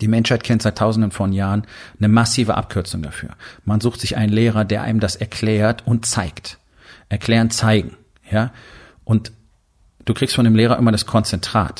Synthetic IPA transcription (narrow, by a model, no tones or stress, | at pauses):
d̥iːmɛnʃhaɪt̚kʰɛntz̥aɪtʰːaʊzn̩dənfɔnjaːʁənnəmasiːvəʔa̰p̚kʰʏɐt͡sʊŋda̰fy̰ːɐmanzuːxtz̥ɪçʔa̰ɪnənleːʁ̞ɐdeːɐʔa̰ɪnəmdasɛɐkʰl̥ɛːɐtʔʊntt͡saɪkt | ʔɛɐkʰl̥ɛːʁənt͡saɪɡŋ̩ | jaː | ʔʊnt | d̥uːkʁ̥ikstfɔndeːmleːʁɐʔɪmɐdaskʰɔnt͡sɛntʁ̥a̰ːt